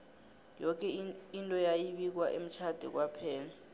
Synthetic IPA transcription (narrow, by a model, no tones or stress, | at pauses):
jɔk̬ʼɛintʼɔjajiɓik̬waʔḛm̩t͡ʃʰad̥ʱɛk̬wapʰɛːla